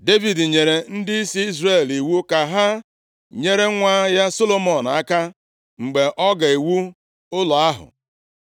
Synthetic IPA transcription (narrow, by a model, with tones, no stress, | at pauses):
de˦vi˨dɲe˨ɾe˨n̩˦dɪ˦i˦si˦i˦zre˨li˨wu˦ka˨ɦa˦ | ɲe˦ɾe˦ŋʷa˦ja˦so˦lo˦mɔ˨n˨a˦ka˦ | ŋ͡m̩˨ɡ͡be˨ʔɔ˦ɡa˨e˨wu˦ | ʊ˦lɔ˨a˦ɦʊ̰˨